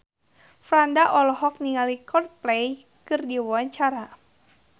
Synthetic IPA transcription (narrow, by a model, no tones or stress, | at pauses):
fɾandaʔɔlɔɦɔk̚niŋalikɔdplej | kɨrdiwɔwaɲt͡ʃaɾa